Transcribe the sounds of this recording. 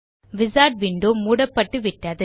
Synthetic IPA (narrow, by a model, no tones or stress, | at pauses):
ʋɪsaːʈ̚ʋiːɳɖoːmuːɽɐpːɐʈːɯʋɪʈːɐðɯ